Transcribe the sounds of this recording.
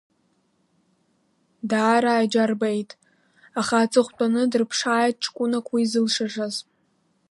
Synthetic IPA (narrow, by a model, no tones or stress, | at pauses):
daːɾaːd͡ʒarbejtʼ | aχaːt͡sʼɨχʷtʼanɨdɨrpʰʂaːjt̚ʼʈ͡ʂʰkʷʼʊnakʷʰwiːzɨlʂaʐaz